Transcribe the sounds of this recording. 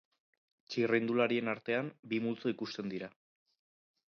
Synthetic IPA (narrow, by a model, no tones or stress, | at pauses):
t͡ʃirind̪ulaɾie̞naɾt̪e̞ambimult͡so̞ikust̪e̞nd̪iɾa